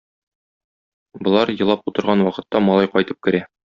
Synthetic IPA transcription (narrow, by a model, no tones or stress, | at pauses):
bŏlˠɑɾjɤ̆lˠɑput̪ɤ̆ɾʁɑnwɒqɤ̆t̪ːɑmɒlˠɑjqɒjt̪ɤp̚kɘ̆ɾæ